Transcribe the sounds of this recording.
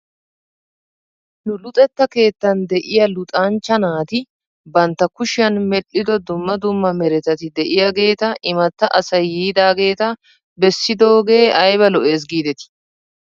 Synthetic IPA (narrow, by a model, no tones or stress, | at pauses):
nʊlʊt̪ʼɛt̪ːɐke̞ːt̪ːɐnd̪ɛʔɪjɐlʊt̪ʼant͡ʃːɐnaːt̪ɪ | bɐnt̪ːɐkʊʃɪjɐnmɛɗɪd̪ɔd̪ʊmːɐd̪ʊmːɐmɛɾɛt̪ɐt̪ɪd̪ɛʔɪjɐɡe̞ːt̪ɐʔɪmɐt̪ːɐʔɐsɐjiːd̪aːɡe̞ːt̪ɐ | bɛsːɪd̪o̞ːɡe̞ːʔɐjβɐlɔʔe̞ːs̬ɡiːd̪ɛt̪ɪ̥